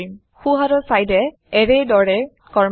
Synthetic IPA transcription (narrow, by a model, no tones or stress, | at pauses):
im | xuɦaɾɔsajdɛ | ɛɹɛjdɔɹɛ | kɔɹm